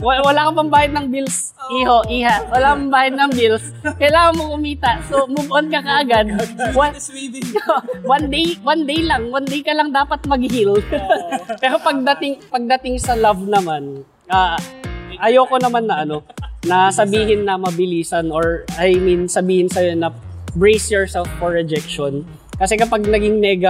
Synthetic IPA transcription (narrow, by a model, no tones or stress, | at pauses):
wwɐlaːkopɐmbaːhɪd̪̚nɐŋbils | ʔiːɦo̞ʔiːhaʔwɐlakopɐmbaːhɪd̪̚nɐŋbils | kɐjlaːŋɐnmoŋʔʊmiːt̪ɐʔsomʊbʔonkɐkɐʔɐɡad̪̚wa | owɐnd̪ejwand̪ejlɐŋwɐnd̪ejkɐlɐŋd̪aːpɐt̪̚mɐɡhil | pɛːɾo̞pɐɡ̚d̪ɐt̪ɪŋpɐɡ̚d̪ɐt̪ɪŋsɐlɐvnɐman | ʔaː | ʔɐjoːko̞nɐmanːɐʔɐno̞nɐsɐbiːɦɪnːɐmɐbɪliːsɐnoɹʔɐjminsɐbiːhɪnsɐjonɐbɹejsjɔɹsɛlfɔɹɛd͡ʒɛkʃon | kɐsɛkɐpaɡ̚nɐɡɪŋmɛːɡɐ